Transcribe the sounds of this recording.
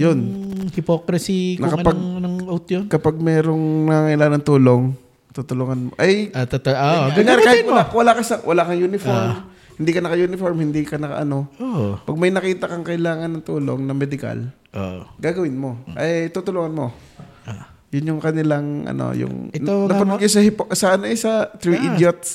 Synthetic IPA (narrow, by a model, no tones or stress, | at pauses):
jonhɪpokɾɐsikɐpaɡnoŋowt̪jonkɐpaɡ̚mɛːɾoŋnɐŋaːŋɐʔɪlaːŋanɐŋt̪uːlo̞ŋ | t̪ut̪ʊloŋɐnmo̰ʔɐjt̪t̪oɡɐaːɾɪaːhɪt̪̚mlawɐlakɐsɐwʔɐlakɐŋjunɪfoɾm | hɪnd̪iːkɐnɐkɐjuːnɪfoɾmhɪnd̪ikɐnɐka̰ʔɐno̞oʔpɐɡ̚mɐjnɐkiːt̪ɐkɐŋkɐʔɪlaːŋɐnːɐŋt̪uːlo̰ŋnɐmɛd̪ɪka̰l | ʔoɡaːɡɐwɪnmo̞ʔɐjt̪uːt̪ʊluŋɐnmo̞ | jʊnjʊŋkɐnɪlaŋʔɐ̰no̰jʊ̰ŋnɐpɐnʊɡjos̬ɐhɪposɐʔɐnoʔɛsɐt̪ɾiʔɪd̪jot̪̚